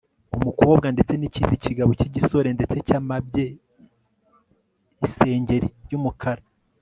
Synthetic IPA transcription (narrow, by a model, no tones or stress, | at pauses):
umukuβobɡandet͡se̞niciːndiciɡaβociɟiso̞ɾe̞nde̞t͡se̞caːmabɟe | ise̞ːɲɟe̞ɾiɾjumukʰaɾa